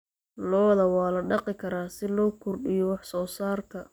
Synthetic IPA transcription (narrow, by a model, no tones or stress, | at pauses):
lɔːðɐwɑːlɐɖɑqɪkʰɐɾaːsɪlɔːkʰʊrɖɪjɔwɑħsɔːsaːrkʰɐ